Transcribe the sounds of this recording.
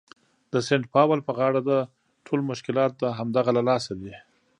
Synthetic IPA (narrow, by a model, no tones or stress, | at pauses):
d̪əseɳʈpɑwəlpəɣɑɽad̪a | ʈʰolmʊʃkɪlɑt̪̚d̪aɦamd̪aɣalalɑsawi